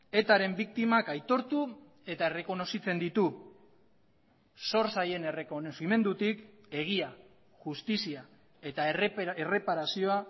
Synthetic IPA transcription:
e̞t̪aɾe̞mbik̚t̪imakajt̪o̞ɾt̪u | e̞t̪ae̞re̞ko̞no̞sit͡se̞nd̪it̪u | so̞ɾsaje̞ne̞rekonosime̞nd̪ut̪ik | e̞ɣ̞ia | ʝust̪isia | e̞t̪aere̞paɾasio̞a

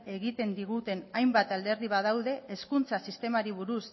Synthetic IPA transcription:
e̞ɣit̪e̞nd̪iɣut̪e̞najmbat̪ald̪e̞ɾðiβað̞awð̞e̞ʔːskunt͡sasist̪e̞maɾiβ̞uɾus

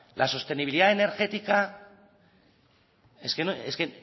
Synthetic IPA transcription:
lʔa̰sost̪e̞niβiliðaene̞ɾɣe̞t̪ika | eskeneske

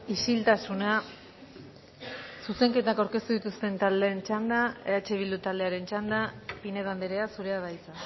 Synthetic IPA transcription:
isilt̪asuna | suse̞ŋke̞t̪akawɾke̞st̪uðit̪ust̪e̞nt̪ald̪eːnt͡ʃand̪aeat͡ʃe̞βild̪ut̪ald̪e̞aɾe̞nt͡ʃand̪apine̞βand̪eɾe̞asuɾe̞aðajt͡sa

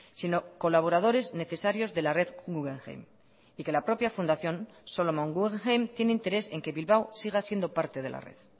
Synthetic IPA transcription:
sino̞ko̞laβ̞o̞ɾað̞o̞ɾe̞zne̞θe̞saɾjo̞zðe̞lare̞ðɡuɣeŋxḛjm | ike̞lapɾo̞pjafund̪aθjo̞n | solomoŋɡuɣeŋxejmt̪je̞neint̪e̞ɾe̞se̞ŋke̞βilβawsiɣ̞asje̞nd̪o̞paɾt̪e̞ð̞e̞la̰rḛð

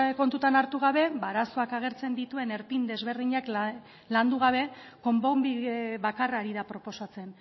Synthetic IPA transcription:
ko̞nt̪ut̪anaɾt̪uɣ̞aβ̞e̞baɾaso̞akaɣ̞e̞ɾt͡se̞nd̪it̪ue̞ne̞ɾpind̪e̞zβe̞ɾðiɲak | land̪uɣ̞aβ̞e̞ | ko̞mbombiβakaraːɾiðapɾo̞po̞sat͡se̞n

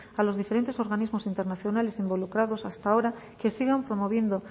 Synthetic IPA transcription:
alo̞zðife̞ɾe̞nt̪e̞so̞ɾɣanizmo̞sint̪e̞ɾnaθjonale̞simbo̞lukɾaðo̞sast̪ao̞ɾakesiɣampɾo̞moβ̞je̞nd̪o

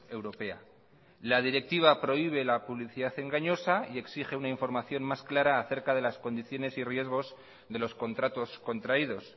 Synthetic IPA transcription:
e̞wɾo̞pe̞a̰ | laðiɾe̞k̚t̪iβ̞apɾo̞iβ̞e̞lapuβliθiðaθe̞ŋɡaɲo̞saie̞ksiχe̞unaiɱfo̞ɾmaθjo̞mmasklaɾaːθe̞ɾkað̞e̞lasko̞nd̪iθjo̞ne̞sirje̞zɣ̞o̞z | ðe̞lo̞sko̞nt̪ɾat̪o̞sko̞nt̪ɾaiðo̞s

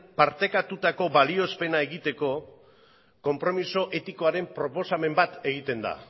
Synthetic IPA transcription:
paɾt̪e̞kat̪ut̪ako̞βalio̞spe̞nae̞ɣit̪e̞ko̞ | ko̞mpɾo̞miso̞ʔe̞t̪iko̞aɾe̞mpɾo̞po̞same̞mbat̪e̞ɣ̞it̪e̞nd̪a̰

